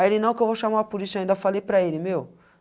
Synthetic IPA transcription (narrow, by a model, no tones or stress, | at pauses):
elɪnɐ̃w̃kɪewvowʃamapuɾisãĩd̪ɐfalejpɾɐelɪmew